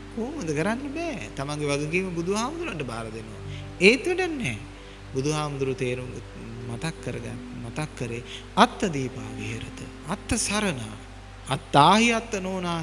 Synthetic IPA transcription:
oːməd̪əkəɾanːəbɛːt̪amaŋɡeʋaɡɐɡiːməbud̪uɦaːmund̪uɾuaɳʈəbaːɾɐd̪enoʋa̰ | eːt̪ʋəʈənːɛː | bud̪uɦaːmud̪uɾuʋt̪eːɾuŋɡə | mat̪akːəɾəɡa̰n | mat̪akːəɾe | at̪ːɐd̪iːpa̰ːʋiɦeɾət̪ə̰ | at̪ːɐsaɾəna̰ː | t̪ːaːɦiat̪ːənoːnaː

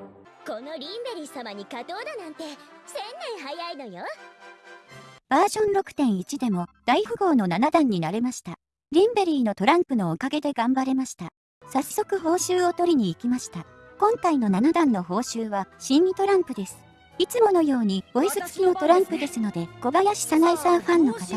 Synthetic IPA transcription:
ko̞no̞ɾʲĩmbe̞ɾʲiːsamaɲ̟ikat̪oːd̪anãnt̪e̞sẽ̞nːẽɰ̃ɦajaino̞jo | b̥aːʑõ̞nɾo̞kɯ̟̥t̪ẽ̞ɰ̃it͡ɕid̪e̞mo̞d̪̥aihɯ̟ɡo̞ːno̞nanad̪ãɲ̟ːinaɾe̞maɕi̥t̪a | ɾʲĩmbe̞ɾʲiːno̞t̪o̞ɾãmpɯ̟no̞ːkaɡe̞d̪e̞ɡãmbaɾe̞maɕi̥t̪a | sasso̞kɯ̟ɦo̞ːɕɨːo̞t̪o̞ɾʲiɲ̟iːkʲimaɕi̥t̪a | kõ̞ŋkaino̞nanad̪ãnːo̞ɦo̞ːɕɨːβaɕĩɲʲit̪o̞ɾãmpɯ̟d̪e̞sɨ̥ | it͡sɨmo̞no̞jo̞ːɲ̟ioisɨt͡sɨ̥kʲino̞t̪o̞ɾãmpɯ̟d̪e̞sɨno̞d̪e̞ɡ̥o̞ɡajaɕi̥sanaisãɰ̃ɸãnːo̞kat̪a

